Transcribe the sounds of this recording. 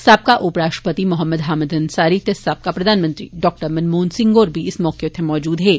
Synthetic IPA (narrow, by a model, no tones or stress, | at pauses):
saːb̚kaʔʊpɾaːʃʈɾəpət̪imʊɦəmːəd̪ɦaːmɪd̪ɐnsaːɾit̪esaːb̚kapɾɐd̪ʱaːnmə̃nt̪ɾḭɖɔːk̚ʈəɾmɐnmoːnsɪ̃ŋɡoːɾbʱiɪsmɔːket̪ʰemɔːd͡ʒuːd̪ɦɛː